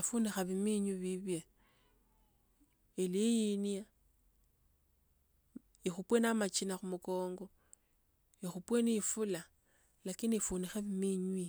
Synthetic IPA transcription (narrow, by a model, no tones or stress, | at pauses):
afunixaβimiɲwiβiβje | elijinia | ixupwenamat͡ʃinaxumuko̞ːŋɡo̞ | ixupwenifula | lakinifunixeβimiɲwi